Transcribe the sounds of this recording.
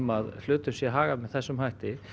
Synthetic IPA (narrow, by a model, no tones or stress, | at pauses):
maðlʏːt̪ʏsjɛɦaːɣamɛðθɛsːʏmhajht̪ɪ